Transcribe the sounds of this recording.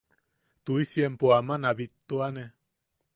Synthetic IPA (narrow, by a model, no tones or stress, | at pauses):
t̪uisjempoamanaβit̪ːoane